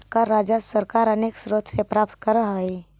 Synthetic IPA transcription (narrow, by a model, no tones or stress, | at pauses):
kaɾaːd͡ʒəsəɾkaːɾəneːksɾot̪ʰsepɾaːp̚t̪kəɾəɦəe